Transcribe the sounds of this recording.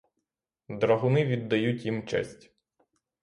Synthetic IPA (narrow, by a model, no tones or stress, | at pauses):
d̪ɾɐɦʊnɪʋʲid̪ːɐjutʲjimt͡ʃɛ̰sʲtʲ